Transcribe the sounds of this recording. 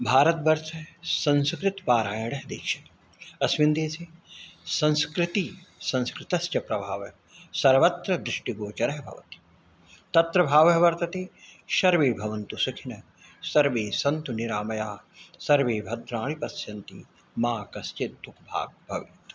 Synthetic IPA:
bʱaːɾɐt̪̚bɐɾʃɐsɐ̃nskɾɪt̪paːɾaːjɐɽɐɦd̪ḛːkʃɐ̥t̪ | ɐsʋind̪eːsesɐ̃nskɾɪt̪isɐ̃nskɾɪt̪ɐst͡ʃɐpɾɐbʱaːʋɐ | sɐɾʋɐt̪ɾɐd̪ɾɪʂʈiɡoːt͡ʃɐɾɐɦɐbʱɐ̰ʋɐ̰t̪i̥ | t̪ɐt̪ɾɐbʱaːʋɐɦɐʋɐɾt̪ɐt̪eːʃɐɾʋeːbʱɐʋɐnt̪usukʰinɐ | sɐɾʋeːsɐnt̪uniɾaːmɐjaːsɐɾʋeːbʱɐd̪ɾaːɭipɐsjɐnt̪ḭ | maːkɐst͡ʃet̪d̪ukʰbʱa̰ːɡ̚bʱɐʋit̪

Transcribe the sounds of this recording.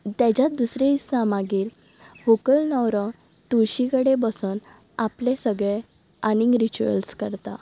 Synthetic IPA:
t̪ãd͡ʑad̪usɾesamaɡiːɾ | hokəlnɔwɾɔ | t̪uɾɕikəɽebəsuːn | aplesəɡɭe | aniŋɡɾit͡ɕuə̰lskəɾt̪a

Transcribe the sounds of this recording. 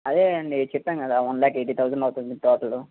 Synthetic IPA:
ɐd̪eːɐnːit͡ʃɛpːaːnkɐd̪aːʋɐnlaːkeːʈ̬iːt̪ʰɐwzɐɳɖɐwt̪und̪it̪ɔːʈɐlu

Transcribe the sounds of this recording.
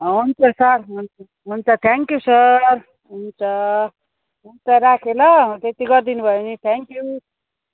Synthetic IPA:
ɦunt͡sʌsʌɾɦunt͡sʌ | ɦunt͡sʰʌt̪ʰeŋkjusʌr | ɦunt͡sʰʌ | ɦunt͡sʌɾakʰelʌt̪et̪iɡʌrd̪inubʱʌjonit̪ʰeŋkju

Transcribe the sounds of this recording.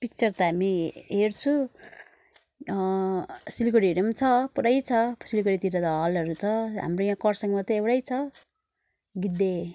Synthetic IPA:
pik̚t͡sʌrt̪ʌɦamiɦert͡sʰu | silkoɽiʌɾʌmt͡sʰʌpuɾajt͡sʰʌsilkoɽit̪iɾʌt̪ʌɦʌlʌɾut͡sʰʌɦa̰mrojãkʌrsʌŋmʌt̪ʌewɽajt͡sʰʌ | ɡid̪ːe

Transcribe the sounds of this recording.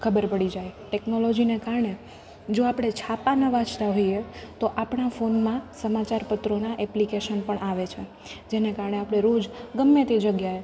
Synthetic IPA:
kʰəbəɾpəɽid͡ʒajʈeknolod͡ʒinekaɾɳe | d͡ʒoapɽ̃et͡ʃʰapanəʋãt͡ʃt̪aɦoijet̪oʔapɳafonmãsəmat͡ʃaɾpət̪ɾonaʔɛplikeʃənpəɳʔaʋet͡ʃʰe | d͡ʒenekaɾɳeapɽ̃eɾod͡ʒɡəmːet̪ed͡ʒəɡjae

